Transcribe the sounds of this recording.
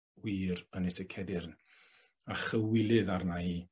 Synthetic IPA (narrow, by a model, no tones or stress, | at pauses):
wiːɾənɛsɛkʰɛdɪrn | aχəwɪlˠɨðarnai